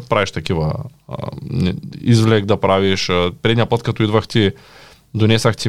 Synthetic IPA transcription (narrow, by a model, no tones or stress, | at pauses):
pɾaviʃt̪ɐkivɐ̰ | izvlɛk̚d̪ɐpɾaviʃpɾɛd̪nijapət̪̚kat̪oid̪vɐxt̪i | d̪onɛsɐxt̪i